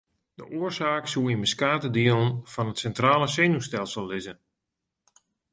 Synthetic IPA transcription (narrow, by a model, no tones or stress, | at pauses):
də̰ʔoərsaːksuinməskaːtədilnfɔnətsɛntraːlˠəseːnustɛlˠsəlˠːɪzən